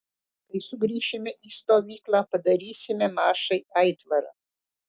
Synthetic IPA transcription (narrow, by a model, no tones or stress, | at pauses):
k̪ɐɪsʊɡɾʲiːʃʲɪmʲɛʔiːst̪oːʋʲiːklˠɑːpɐd̪ɐɾʲiːsʲɪmʲɛmɑːʃɐɪɐɪt̪ʋɐɾɑ̰ː